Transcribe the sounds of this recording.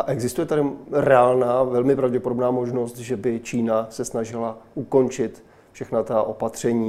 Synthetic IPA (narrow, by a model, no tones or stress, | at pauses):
ʔaʔɛɡzɪst̪ujɛt̪adɪɾɛaːlnaːvɛlmɪpɾavɟɛpodobnaːmoʒno̞st̪ʒɛbɪt͡ʃiːnasɛsnaʒɪlaʔuko̞nt͡ʃɪt̪ | fʃɛxnat̪aʔo̞pat̪r̝̥ɛɲiː